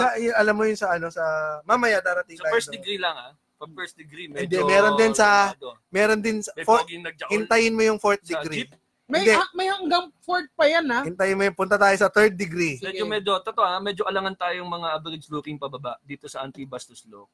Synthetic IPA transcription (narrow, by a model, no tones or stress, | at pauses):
sɐjʊnɐlamːojʊnsɐʔɐno̞sɐmamɐjad̪aːɾɐt̪iŋsɐaːɛd̪ɪɡɾilɐŋa | ɐpɛsd̪ɛɡɾiɛnd̪ɛmɛːɾond̪ɪnsɐt̪mɛːɾo̞nd̪ɪnsɐfoɡɪnɐɡ̚d͡ʒɐhɪnt̪ɐjɪnmojʊŋfoɹt̪̚d̪ɪɡɾi | mɐnd̪ɛmɐjhɐŋɡaŋfoɹt̪̚pɐjanahɪnt̪ɐjɪnmojʊŋpʊnt̪ɐt̪aːjo̞sɐt̪ɛɹd̪̚ːɪɡɾimɛd͡ʒomɛd͡ʒot̪ot̪oʔamɛd͡ʒoʔɐlɐŋant̪aːjoŋmɐŋaʔɐbɪɾɪd̪̚sluːkɪŋpɐbɐbaʔd̪iːt̪osɐʔɐnt̪ibast̪ʊslok̚